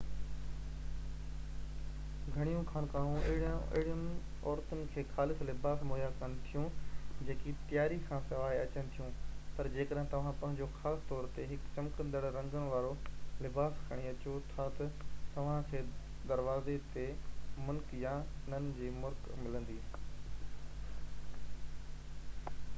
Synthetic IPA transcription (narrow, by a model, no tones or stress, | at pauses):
ɡʱɐɽ̃ijũkʰaːnkaːɦũʔɪɪɽə̃ɪ̰ɦɪɽiənɪ | ɔːɾt̪ʊnɪ̆kʰeːxaːlɪslɪbaːsmoːjakɐnɪ̆t̪ʰijũd͡ʑeːkit̪ijaːɾikʰãːsɐʋaːiɐt͡ɕənɪ̆t̪ʰijũpɐɾd͡ʑeːkəɗɦɪ̃t̪ɐʋ̤ãpɐ̃ɦɪ̃ɲd͡ʑoxaːst̪ɔːɾt̪eɦɪkt͡ɕɐ̃mkə̃nd̪əɽɾɐ̃ŋɡənɪ̆ʋaːɾolɪbaːskʰɐɽ̃iɐt͡ɕot̪ʰat̪ɐt̪ɐʋ̤ãkʰeː | d̪ɐɾʋaːzet̪emʊlkjanənɪ̆d͡ʑiːmʊɾkmɪlə̃nd̪iː